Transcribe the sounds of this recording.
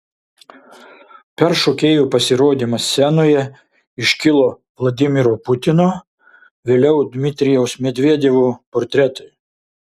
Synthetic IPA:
pʲɛɾʃoːkʲeːjuːpɐsʲɪɾoːd̪ʲimɐsːʲænoːjɛ | ɪʃʲkʲɪlˠoː | ʋlˠɐd̪ʲɪmʲɪɾoːpʊt̪ʲɪnoː | ʋʲeːlʲɛʊd̪ʲmʲɪt̪ʲɾʲɪjɛʊsmʲɛd̪ʲʋʲiɛd̪ʲeːʋuːpɔɾʲt̪ʲɾʲɛt̪ɔɪ

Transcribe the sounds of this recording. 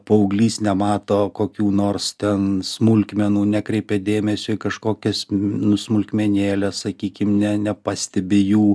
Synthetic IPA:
pɐʊɡlʲiːsnʲɛmɑːt̪oːkoːkʲuːnoːrst̪ʲɛnsmʊlʲkmʲɛnuːnʲækɾʲɛɪpʲɛd̪ʲeːmʲɛsʲʊɪkɐʃkoːkʲɛsnʊsmʊlʲkmʲɛnʲeːlʲɛssɐkʲiːkʲɪmnʲɛnʲɛpɑsʲt̪ʲɛbʲɪjuː

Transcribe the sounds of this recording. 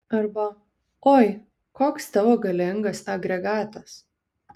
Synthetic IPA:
ɐɾbɐ | oːj | koːkst̪ɐʋoːɡɐlʲɪŋɡɐsɐɡɾʲɛɡɑːt̪ɐs

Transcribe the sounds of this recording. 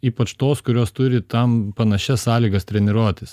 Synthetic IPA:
iːpɐt͡ʃt̪oːskʊɾʲoːst̪ʊɾʲɪt̪ɐmpɐnɐʃʲɛssɑːlʲiːɡɐst̪ʲɾʲɛnʲɪɾuɔt̪ʲɪs

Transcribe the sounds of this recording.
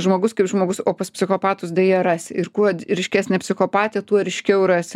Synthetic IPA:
ʒmoːɡʊskɐɪpʒmoːɡʊsoːpɐspʲsʲɪxoːpɑːt̪ʊsd̪ʲɐjiɛɾɑːsʲɪɪrkuɔɾʲɪʃʲkʲæːsʲnʲɛpʲsʲɪxoːpɑːt̪ʲet̪uɔɾʲɪʃʲkʲɛʊrɑːsʲɪ

